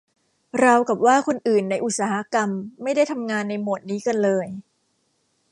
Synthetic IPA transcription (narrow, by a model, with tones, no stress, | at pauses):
ɾa˧wka˨˩p̚waː˥˩kʰo˧nʔɯː˨˩nːa˧jʔu˨˩t̪̚saː˩˦ha˧˦˩ka˧mːa˥˩jda˥˩jt̪ʰa˧mŋaː˧nːa˧jmo˨˩t̪̚niː˦˥ka˧nlɤː˧j